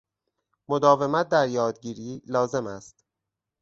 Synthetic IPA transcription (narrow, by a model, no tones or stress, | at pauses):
mod̪ɒːve̞mæt̪̚d̪æɾjɒːd̪̚ɟiːɾiːlɒːze̞mæst̪